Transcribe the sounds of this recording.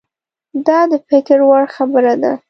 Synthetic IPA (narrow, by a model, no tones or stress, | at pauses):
d̪ɑd̪əpɪkɪɾwaɽxabəɾad̪a̰